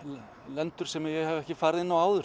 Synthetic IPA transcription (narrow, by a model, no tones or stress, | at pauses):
lɛnt̪ʏɾ̥sɛmɪjɛɣhɛvɛhcɪfaːɾɪðɪnːawaːwðʏɾ